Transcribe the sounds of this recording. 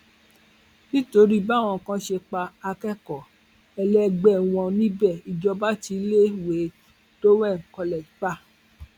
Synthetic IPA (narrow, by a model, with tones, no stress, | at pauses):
nĩ˦to˨˧˦ɾi˦˧ba˦˨w̃ɔ̃˨kã˧˦ʃe˧k͡pa˧a˧kɛ˦kɔ˨ | ɛ˧lɛ˦ɡ͡bɛ˦˨w̃ɔ̃˧nĩ˦bɛ˦˨i˨d͡ʒɔ˧ba˦ti˧˦le˦we˨˦ | d̥o˦wɛ̃˦˨kɔ˧lɛ˨k͡pa˦˨